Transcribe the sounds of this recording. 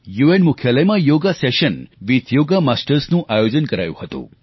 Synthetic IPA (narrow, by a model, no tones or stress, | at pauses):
juenmukʰjaləjmãjoɡaseʃənʋit̪joɡamasʈəɾsnũʔajod͡ʒənkəɾa̰jṵ̃hət̪ṵ̃